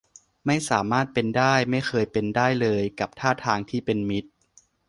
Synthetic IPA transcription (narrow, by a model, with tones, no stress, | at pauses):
ma˥˩jsaː˩˦maː˥˩t̪̚pe˧ndaː˥˩jma˥˩jxʰɤː˧jpe˧ndaː˥˩jlɤː˧jka˨˩p̚t̪ʰaː˥˩t̪ʰaː˧ŋt̪ʰiː˥˩pe˧nmi˦˥t̪̚